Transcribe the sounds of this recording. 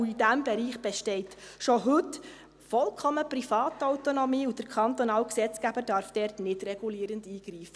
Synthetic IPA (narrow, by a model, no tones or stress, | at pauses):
uidæmbɛɾiːχb̥ɛʃtɛɪt | ʃoɦɵt | fɔlkʰɔməpɾifɑːt̪œwt̪onɔmiːud̥əɾkʰɑnt̪ɔnɑːlksɛt͡skæbəɾdɑɾfd̥ɛrtnɪdɾɛɡ̥uliːɾəndiːɡ̥ɾiːfə